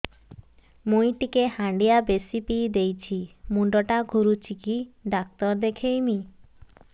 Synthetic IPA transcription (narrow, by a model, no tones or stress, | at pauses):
mujʈikehãɳɖijabesipid̪ejt͡ʃʰimuɳɖɔʈaɡʱuɾut͡ʃʰikiɖak̚t̪ɔɾd̪ekʰejmi